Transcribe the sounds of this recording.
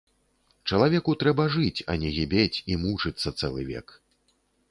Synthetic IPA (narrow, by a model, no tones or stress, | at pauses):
t͡ʂɐlˠavʲɛkut̪ɾɛbɐʐɨt͡sʲɐ̰nʲɛɣʲibʲet͡sʲimut͡ʂɨt̪sːɐt̪sɛlˠɨ̰vʲɛ̰k